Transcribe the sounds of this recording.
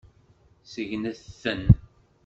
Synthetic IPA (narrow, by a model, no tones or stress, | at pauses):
səʝnæðθːən